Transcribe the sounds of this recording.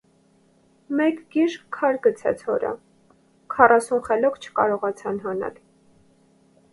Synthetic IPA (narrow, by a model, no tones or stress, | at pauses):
mɛkɡiʃkkʰːɑɾɡət͡sʰɛ̰t͡sʰhɔɾə̰ | kʰɑrɑsunχɛlɔkt͡ʃʰə̥kɑɾɔʁɑt͡sʰɑnɦɑnɑ̰l